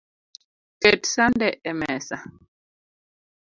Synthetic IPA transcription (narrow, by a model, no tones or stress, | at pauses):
kɛtsandɛʔɛmɛsa